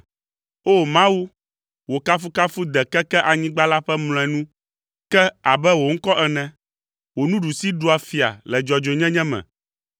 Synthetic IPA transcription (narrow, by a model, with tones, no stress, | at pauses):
o˦mã˦wu˦ | wo˨ka˦fu˦ka˦fu˦d̪ɛ˨kɛ˦kɛ˦ʔa˨ɲĩ˦ɡ͡ba˦la˦ɸɛ˦ml̃ɔ̃˨ɛ˨nũ˦ | kɛ˦a˨bɛ˦wo˨ŋ̩˦kɔ˦ʔɛ˨nɛ̃˨ | wo˨nũ˦ɖu˨si˦ɖu˨˦a˨fi˨a̰˨lɛ˨d͡ʒɔ˨d͡ʒo˨ɲɛ̃˦ɲɛ̃˦mɛ̰̃˨